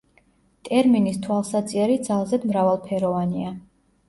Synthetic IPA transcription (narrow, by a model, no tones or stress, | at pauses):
t̪ʼɛɾminist̪ʰwalˠsat̪sʼiɛɾid̪zalˠzɛd̪mɾavalˠpʰɛɾɔvania